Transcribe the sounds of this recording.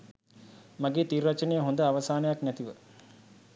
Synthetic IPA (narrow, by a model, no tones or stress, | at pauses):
maɡeːt̪irːat͡ʃənejəɦond̪əaʋɐsaːnəjaknæt̪iʋə